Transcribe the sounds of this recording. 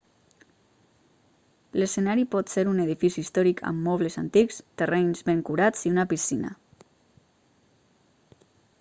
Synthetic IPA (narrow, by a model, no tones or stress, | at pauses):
lesenaɾipɔt̪seɾuneðifisiːst̪ɔɾikʰə̰mːɔβ̞leza̰nt̪ikst̪ereɲzβeŋkuɾad͡ziunapisina̰